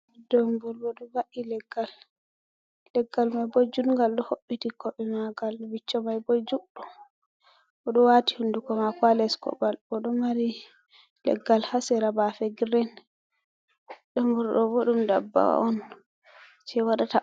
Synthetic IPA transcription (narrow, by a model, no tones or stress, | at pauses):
dombuɾbɔɗɔvaʔilɛɡːal | lɛɡːalmajbɔd͡ʒunŋɡalɗɔhoɓːitikɔɓɛmaɡalbit͡ʃːɔmajbɔd͡ʒuɗɔ | ʔɔɗɔwati̥hundukɔmakalɛskɔ̰balɔɗɔmaɾi | lɛ̰ɡːalhasɛɾabafɛɡɾɛn | dɔmbuɾɗɔbɔɗumda̰bːa̰ɔn | t͡ʃɛwaɗata